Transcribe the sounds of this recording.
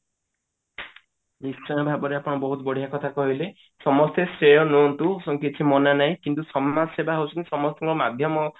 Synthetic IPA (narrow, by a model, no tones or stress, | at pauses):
nisɔj̃ɔbʱabɔɾeapɔɽ̃ɔbɔɦut̪bɔɽ̤ijakɔt̪ʰakɔɦile | sɔmɔst̪esʈɾejɔnont̪usɔŋkit͡ʃʰimɔnanaɦĩkint̪usɔmːasebaɦowt͡ʃʰɔnt̪i̥sɔmɔst̪ɔŋɡɔɾɔmad̪ʱjɔmɔ